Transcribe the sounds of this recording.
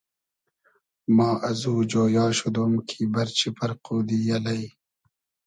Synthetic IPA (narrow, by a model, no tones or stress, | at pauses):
mɑːʔɐzuːd͡ʒoːjɑːɕud̪omkʰiːbɐɾt͡ɕipɐɾquːd̪iːjɐlɐj